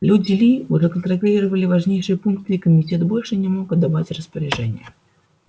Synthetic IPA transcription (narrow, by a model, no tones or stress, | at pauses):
lʲudʲɪlʲiuʐɛkənt̪ɾɐllʲiɾəvəlʲɪvɐʐnʲejʂɨjəpunk̚t̪ɨɪkəmʲɪtʲet̪bo̞lʲʂɨnʲɪmokɐd̪ːavatʲrəspəɾʲɪʐɛnʲɪ̰jə